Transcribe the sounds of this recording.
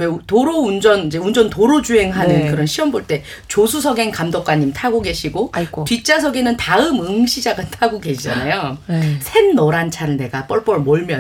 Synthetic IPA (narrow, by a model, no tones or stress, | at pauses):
wetoɾound͡ʑʌnid͡ʑe̞und͡ʑʌntoɾod͡ʑue̞ŋɦanɯnkɯɾʌnɕʰiwʌmboɭt͈e̞ | t͡ɕosʰusʰʌɡe̞nkamdok͈waɲːimtʰaɡoɡe̞ɕʰiɡotit͡ɕ͈asʰʌɡenɯntaɯmɯŋɕʰid͡ʑaɡɯntʰaɡoɡe̞ɕʰid͡ʑanajosʰe̞nːoɾant͡ɕʰaɾɯɭne̞ɡap͈ʌɭp͈ʌɭmʌɭmjʌn